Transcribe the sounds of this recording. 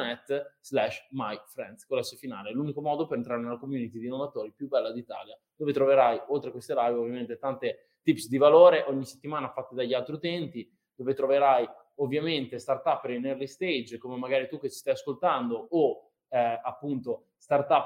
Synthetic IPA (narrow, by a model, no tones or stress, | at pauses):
nɛt̪ːz̥lɛʃmajfɾɛnt̪skolːɛsːofina̰ːlelunikomɔːd̪opeɾent̪ɾaːɾenelakomjuːnit̪id̪inːovat̪oːɾipjubːɛlːad̪iːt̪a̰ːljad̪oːvet̪ɾoveɾajolt̪ɾekwest̪elajvovːjament̪et̪ant̪e | t̪ipsd̪ivaloːɾeʔoɲːise̥t̪ːimaːnafat̪ːed̪aʎːialt̪ɾiut̪ɛnt̪i | d̪̥oːvet̪ɾoveɾaj | ovːjament̪est̪art̪apːeɾinɛrlist̪ejd͡ʒkomemaɡaːɾit̪ukːet͡ʃi̥st̪ajaskolt̪and̪oo | apːunt̪o | st̪art̪apː